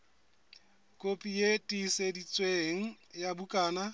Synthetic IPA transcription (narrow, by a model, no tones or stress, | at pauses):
kʼopʼijetʼisedit͡sʼweŋ̩jabukʼaːna